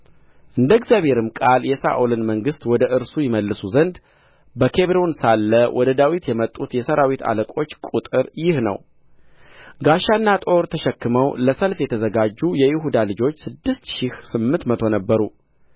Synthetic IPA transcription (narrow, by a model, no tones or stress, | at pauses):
ʔɨnd̪əɡzjaβheɾɨmkʼaljɛsa̰ʔulɨnməŋɡɨst̪wɔd̪əʔɨɾsujɪməlːɨsuzənd̪ | bəkʰe̞βɾonsalːəwʔɔd̪əd̪awit̪jɛmət̪ʼːut̪jɛsəɾawit̪ʰa̰ləkʼo̞t͡ʃːkʼut̪ʼɨɾjɪhnə̰w | ɡaʃanːat̪ʼo̞ɾt̪ʰəʃɛkːɨməwləsəlfjɛt̪ʰəzəɡad͡ʒːujɛjɪɦud̪alɨd͡ʒo̞t͡ʃːsɨd̪ːɨst̪ʃɪhsɨmːɨnt̪mət̪ʰo̞nəbːəɾu